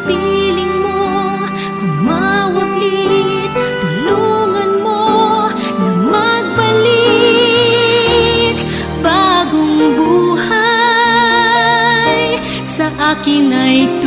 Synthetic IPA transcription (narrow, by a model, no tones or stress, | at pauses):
pilɪŋmo | kʊŋmawɐt̪li | t̪ʊloŋɐnmo | nɐmɐɡ̚bɐli | k | baɡʊŋbuha | j | sɐʔaːkɪnɐjt̪